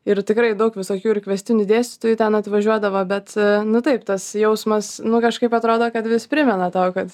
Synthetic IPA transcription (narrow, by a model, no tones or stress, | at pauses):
ɪɾt̪ʲɪkɾɐɪd̪ɐʊkʋʲɪsoːkʲuːɪrkʋʲɛsʲt̪ʲɪnʲʊd̪ʲeːsʲt̪ʲɪt̪uːjut̪ʲɛnɐt̪ʋɐʒʲuɔd̪ɐʋoːbʲɛt̪nʊt̪ɐɪpt̪ɐsjɛʊsmɐsnʊkɐʃkɐɪpɐt̪ɾoːd̪oːkɐt̪ʋʲɪspʲɾʲɪmʲɛnɐt̪oːkɐt̪